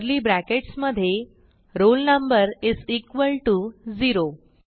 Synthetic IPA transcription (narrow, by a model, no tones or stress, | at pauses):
ɾliːbɾækeʈsməd̪ʱːje | ɾolnəmbəɾizikʋəlʈud͡ziɾo